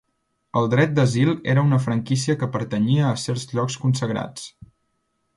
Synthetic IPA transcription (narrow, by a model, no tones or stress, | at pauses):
əlˠd̪ɾɛt̪̚d̪əzilˠḛɾəunəfɾəŋkis̬iəkəpəɾt̪əɲiəːsɛɾzʎɔkskunsəɣɾa̰t͡s